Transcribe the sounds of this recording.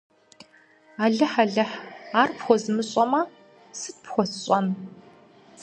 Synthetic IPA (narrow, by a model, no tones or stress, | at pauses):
aːɮɨħaɮɐħaːrpxʷɔzɨmɨɕʼɔmɐ | sɨt̚pxʷɔsɕʼɔn